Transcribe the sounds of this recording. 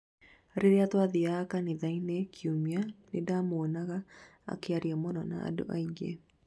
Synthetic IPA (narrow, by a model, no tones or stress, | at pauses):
ɾeɾeatwaðiakaneðainekʰiumianedamoːnaɣa | a̰keaɾiɔmɔnɔna̰a̰do̰ʔa̰iɡḛ